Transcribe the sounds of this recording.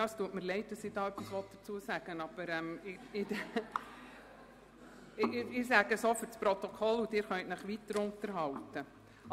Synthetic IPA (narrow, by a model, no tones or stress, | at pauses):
ɑːəstuətmɪɾlɛɪt̚d̥ɑsɪd̥ɑːœpːisʋɔt̚d̥əɾt͡suəsæɡ̥ənɑb̥əɾɛmɪɪ | ɪsæɡəsoːfʏɾspɾɔt̪ɔkʰɔlːudɪːɾχœntnɪχʋitːəɾʊntəɾɦɑltə